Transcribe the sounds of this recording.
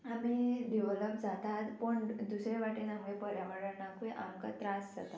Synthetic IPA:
amiɖiʋələpd͡zat̪at̪pəɳd̪usɾeʋaʈinamɡepəɾjaʋəɽənakũʔamka̰t̪ɾãsd͡za̰t̪a

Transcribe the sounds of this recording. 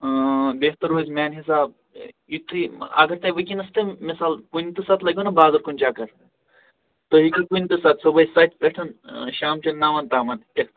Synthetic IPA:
beɦt̪ɐɾɦoːzʲmaːnɦis̬aːb̚ | jit̪ʰːiɐ̰ɡɐɾt̪ɐʋɐk̬ʲinɐst̪ɨmisaːlkunʲt̪ɨsɐt̪lɐɡʲunɐbaːzɐɾkunʲt͡ʃaːkɐɾ | t̪oɦikɨkunʲt̪ɨsɐt̪sɐbɐjsɐt̪ʲpeʈʰɐnʃaːmt͡ʃɐnnːaːʋɐnt̪aːmɐntɐk

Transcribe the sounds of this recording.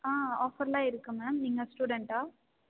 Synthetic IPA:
aːoːfɐɾlaːɪɾɯkːɯmeːmniːŋɡɐsʈuːɽɛɳʈaː

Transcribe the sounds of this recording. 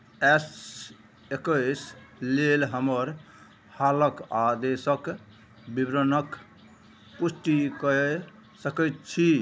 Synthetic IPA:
ɛs | ekəslelɦəməɾ | haləkad̪esək | bibɾənək | pusʈikə | səkət̪̚t͡ʃʰi

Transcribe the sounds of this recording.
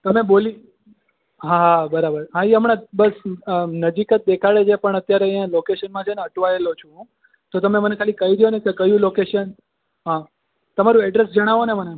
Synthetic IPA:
t̪əmeboli | ɦãɦabəɾabəɾɦãiəmɳebəsnəd͡ʒikət̪̚d̪ekʰaɭed͡ʒepəɳət̪jaɾeãlokeʃənmãt͡ʃʰeneəʈʋaelot͡ʃʰũ | t̪ot̪əmemənekʰalikəiɾijonekekəjũlokeʃən | ɦã | t̪əmaɾũɛɖɾesd͡ʒəɽ̃aʋoneməne

